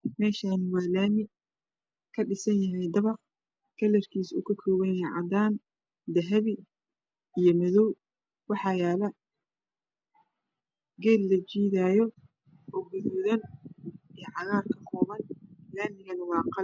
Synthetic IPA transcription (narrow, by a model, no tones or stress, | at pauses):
mɛːʃaːnwɑːlaːmɪ | kʰɐɖɪsɐnjɐɦɛjd̪ɐβɑr | kʰɐlɛrkʰiːsʊkʰɐkʰɔːβɐnjɛjʕɑ̰d̪aːn | d̪ɐɦɐβi | ijɔmɐðɔw | wɑħɑjaːlɐ | ɡɛːlːɐt͡ʃiːðaːjɔ | ɔɡʊðɔːðɐn | ijʕɑɣaːrkʰɐkʰɔːβɐnlaːmɪɣɐnɐwɑːqɑl